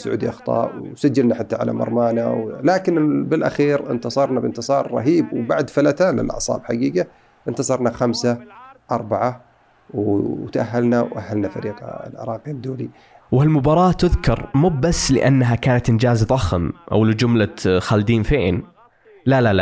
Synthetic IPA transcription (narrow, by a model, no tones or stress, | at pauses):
sʊʕṵːd̪iʔɑxt̪ˤɑ̰ːʔwsad͡ʒːalnaħat̪ːaʕa̰la̰mɑ̰ɾˤmaːnawlaːkɪnbɪlʔa̰xiːɾɪ̰nt̪ɑsˤɑɾˤnabɪnt̪ɨsˤɑːɾˤːɑ̰ɦiːbwbaʕd̪falat̪aːlːɪ̰lʔɑ̰ʕsˤɑ̰ːbħaɡiːɡa | ʔɪnt̪ɑsˤɑɾˤnaxamsaʔɑɾˤbaʕa | wt̪ʔaɦːalnawʔahːalnafa̰ɾiːqa̰lʕɑ̰ɾˤɑːqiad̪ːuːli | whalmʊbɑːɾˤɑːt̪ʊðkɑɾˤmʊbbasːlɪʔanːɦakaːnat̪ʔɪnd͡ʒaːzðˤɑxmʔa̰wlɪd͡ʒʊmlaxald̪iːnfeːn | lalala